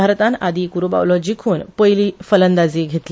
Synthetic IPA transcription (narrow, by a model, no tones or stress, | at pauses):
aɾt̪ãnad̪ʱiːkuɾuba̰ʋlɔd͡ʑikʰuːnpəjliːfələnd̪ad͡ziːɡʱet̪li